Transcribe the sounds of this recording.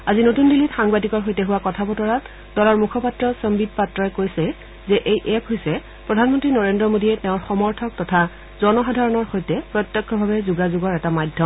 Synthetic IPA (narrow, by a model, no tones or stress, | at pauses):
azinotundilitxaŋbadikɔɹɦojtɛɦuwakɔtʰabɔtɔɹat | dɔlɔɹmukʰɔpatɹɔsɔmbid̚patɹɔjkojsɛ | zɛʔejʔɛpʰɦojsɛ | pɹɔdʱanmɔntɹinɔɹendɹɔmodiɛtɛʊ̃ɹxɔmɔɹtʰɔk̚tɔtʰa | zɔnɔxadʱaɹɔnɔɹxojtɛpɹɔtjɔkʰːɔbʱabɛzuɡazuɡɔɹɛtamajdʱjɔ